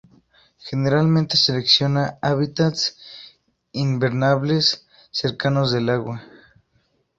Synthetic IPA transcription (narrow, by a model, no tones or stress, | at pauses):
xeneɾalmẽnt̪eseleksjo̞naaβit̪at̪s | imbeɾnaβlesː | eɾkanozðelaɣwa